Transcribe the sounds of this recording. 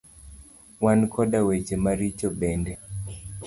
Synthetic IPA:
wankʰɔdawet͡ʃemaɾit͡ʃɔbɛndɛ

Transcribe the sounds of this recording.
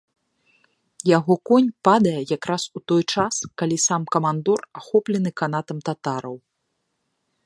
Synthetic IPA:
jaɣɔkɔnʲpad̪ɐjɛjakɾasut̪ɔjt͡ʂaskalʲisamkɐmand̪ɔraxɔplʲɛnɨkan̪at̪ɐmt̪at̪aɾɐw

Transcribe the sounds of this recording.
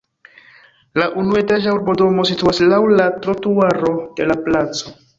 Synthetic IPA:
laʔunue̞taʒauɾbo̞do̞mo̞situaslawlatɾotuaɾo̞d̥e̞laplat͡so̞

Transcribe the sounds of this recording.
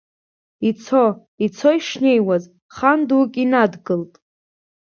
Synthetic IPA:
it͡sʰo | it͡sʰoiʂne̞jwaz | χandukʲʼinadɡɨltʼ

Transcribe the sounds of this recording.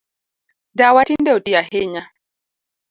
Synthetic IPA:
dawatindɛotiaɦeɲa

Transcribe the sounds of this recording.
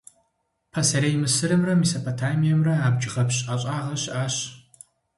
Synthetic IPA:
pʰɐsɐɾejmɨsɨɾɐmrɐmisopʰotʰaːmijɐmrɐaːbd͡ʒɪʁɐpɕʼʔaɕʼaːʁɐɕʔaːɕ

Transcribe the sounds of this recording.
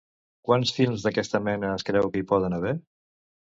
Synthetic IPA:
kwansfilˠmzðəkɛst̪əmɛnəːskɾɛwkəipɔðənəβ̞ɛɾ

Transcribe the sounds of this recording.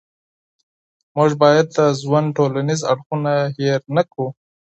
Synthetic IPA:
muʒbɑjad̪əzwanʈolaniza̰ɽxunaɦeɾnaku

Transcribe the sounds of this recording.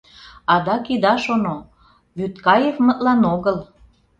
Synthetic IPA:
ɑd̪ɑkid̪ɑʃono | βyt̪kɑjefmət̪lɑnoɣəl

